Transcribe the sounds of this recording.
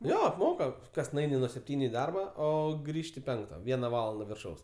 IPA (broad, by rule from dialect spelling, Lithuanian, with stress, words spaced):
ˈjoː ɐpˈmoːkɐ ˈkɐs nʊˈɐɪnʲɪ nuɔ sʲɛpʲˈtʲiːnʲʊ ɪ ˈdɐrbɐ ˈoː ˈɡrʲiːʃʲtʲɪ ˈpʲɛŋktɐ ˈʋʲiɛnɐ ˈʋɑːlˠɐndɐ ʋʲɪrˈʃɐʊs